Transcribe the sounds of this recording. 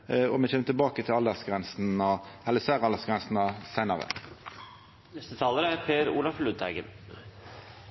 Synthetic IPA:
ɔmɛçeːmət̪ɪlbɑːkət̪ʰɪlɑld̪əsɡʁɛnsnɑɛlːəsæːʁɑld̪əʁsɡʁɛnsn̩ɑsæɪnɑʁə̰ | nɛst̪ət̪ʰɑːləɾəæɾpʰeːɾṵːlɑflʉːd̪æɪɡə̰n

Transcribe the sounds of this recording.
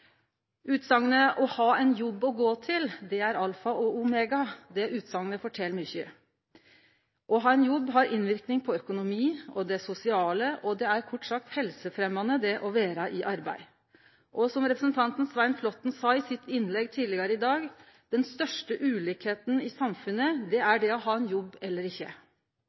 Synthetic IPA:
ʉːt̪sɑŋːənəʔɔhɑːɛnjɔbːɔɡoːt̪ʰɪld̪ɛæɾɑlfɑʔɔʊmɛːɡɑd̪ɛʉːt̪sɑŋːənəfɔʈʰɛlːmʏçə | ʔɔɦɑːɛnjɔbːɦɑɾɪnʋɪɾknɪŋpʰɔœkʊnʊmiːɔd̪ɛsʊsɪɑːləʔɔd̪ɛæɾkʰɔʈːsɑk̚t̪hɛlsəfɾɛmːɑnəd̪ɛʔɔʋeːɾɑʔɪʔɑɾbæɪ | ʔɔsɔmɾɛpɾəsn̩t̪ʰɑnt̪n̩sʋæɪnflɔt̪ːn̩sɑːɪsɪt̪ʰːɪnlɛɡːt̪ʰiːd̪lɪɡɑɾəɪd̪ɑːɡ | d̪̥ɛnst̪œʂʈəʔʉːliːkheːt̪n̩ɪsɑmfʉnːəd̪ɛæɖɛɔɦɑːɛnjɔbːɛlːəɾɪçːə̰

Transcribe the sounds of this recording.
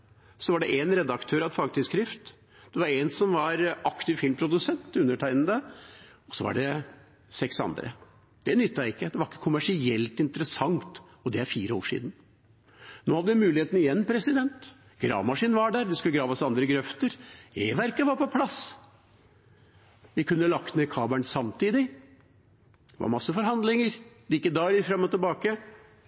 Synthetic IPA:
sɔʋɑɖɛʔɛnɾɛd̪ɑkt̪ʰøːɾɑʋd̪fɑːɡt̪ɪlskɾɪft̪ | d̪̥ɛʋɑɾɛnsɔmʋɑɾɑkt̪ɪʋfɪlmpʰɾʊd̪ʉsɛnt̪ʉnːəʈʰæɪnn̩d̪əɔsɔʋɑ̰ɖɛ | sɛksɑ̰nd̪ɾə̰ | d̪̥ɛnʏt̪ːɑjæɪkːəd̪ɛʋɑɾɪkːə̥kʰʊmæʂɪɛlt̪ɪnt̪əɾəsɑŋt̪ | ɔd̪ɛæɾfiːɾəo̰ːʂḭːd̪n | noːhɑd̪ːəʋɪmʉːlɪheːt̪n̩ɪjɛnːpʰɾɛsɪd̪ɛnt̪ | ɡ̥ɾɑ̰ːʋmɑʂiːnn̩ʋɑɖæːɾd̪ɛskʉləɡɾɑːʋɑsɑnd̪ɾəɡɾœft̪əɾeːʋæɾkəʋɑɾpɔpʰlɑs | ʋɪkʉnːəlɑkt̪nɛkʰɑːbæɳsɑmt̪ʰiːd̪ɪ | d̪̥ɛʋɑ̰ɾmɑsːəfɔɾɦɑnd̪lɪŋəɾliːkːəd̪ɑːɾəɾfɾɑmːɔt̪ɪlbɑːkə

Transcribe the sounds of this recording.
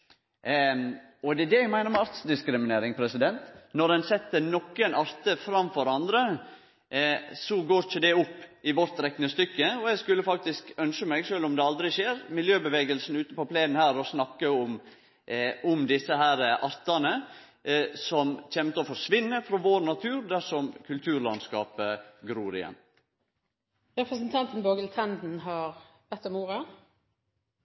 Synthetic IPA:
ɔd̪ɛd̪ɛɛɡmæɪnəɾmɛɑɾt̪sd̪ɪskɾɪmɪneːɾɪŋpʰɾɛsɪd̪ɛnt̪nɔɾdɛnsɛt̪ːənɔkːənɑɾt̪əfɾɑmfɔɾɑnd̪ɾə | sɔɡoːɾɪçəd̪ɛʊpːɪʋɔɾt̪ɾɛkːnəst̪ʏkːəɔɛɡskʉlːəfɑk̚t̪ɪskœnʃəmæɪɡʂølːɔmd̪ɛɑld̪ɾɪʃeːɾmɪljøːbəʋeːɡəlsn̩ʉːt̪əpɔpʰlæɪnnhæːɾɔsnɑkːəʊm | ʊmd̪ɪsːəhæːɾəʔɑɾt̪ɑnə | sɔmçɛmt̪əɔfɔɾʂʋɪnːəfɾɔʋoːɾnɑt̪ʰʉːɾd̪æʂɔmkʰʉlt̪ʰʉːɾɭɑnskɑːpəɡɾuːɾɪ̰jɛ̰nː | ɾɛpɾəs̬ən̩t̪ʰɑnt̪n̩boːɡəlt̪ʰɛnd̪n̩ɦɑɾ | ʋɛt̪ːɔmuːɾɑ

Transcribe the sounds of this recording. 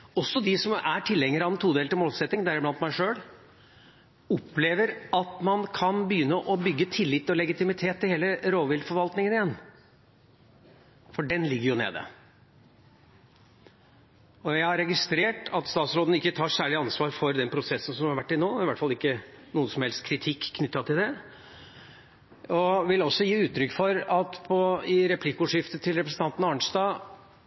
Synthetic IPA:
ɔsːɔd̪ɪsɔmæʈʰɪlːɛŋːəɾɑnt̪ʰuːd̪elt̪ɪmoːlsɛt̪nɪŋd̪æɾɪblɑnt̪mæɪʂøːɽ | ɔpleːʋəɾɑt̪mɑnkʰɑnbəjʏnːəʔɔbʏɡːət̪ʰɪlːɪt̪ːɔlɛɡɪt̪ɪmɪt̪ʰeːt̪ʰːɪlheːləɾoːʋɪld̪fɔɾʋɑlt̪nɪŋənɪjɛnː | fɔɖɛnlɪɡːəɾjʊnḛːd̪ə̰ | ɔjæɪhɑɾɛɡɪst̪ɾeːʈɑt̪st̪ɑːt̪sɾoːd̪n̩əɪkːət̪ʰɑːʂæːɭɪɑnsʋɑːɾfɔɾd̪ɛnpʰɾʊsɛsːən̩sɔmhɑɾʋæʈːɪnoːɪʋæʈːfɑlɪkːənuːəsɔmhɛlst̪̚kʰɾɪt̪ʰɪkːkʰnʏt̪ːɑt̪ɪld̪ɛ | ɔʋɪlɔsːɔjiːʉːt̪ʰːɾʏkːfɔɾɑt̪pʰɔɪɾɛpʰlɪkːʊʂɪft̪ət̪ʰɪlɾɛpɾəsn̩t̪ɑnt̪n̩ɑːɳʂd̪ɑː

